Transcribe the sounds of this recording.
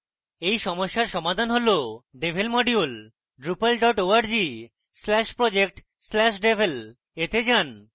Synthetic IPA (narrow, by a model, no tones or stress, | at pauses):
ejʃɔmoʃːaɾʃɔmad̪ʱanɦoloɖebʱelmɔɖiul | ɖɾupalɖɔʈoaɾd͡ʑi | slɛʃpɾɔd͡ʑek̚ʈ | slɛʃ̬ɖebʱel | et̪ed͡ʑan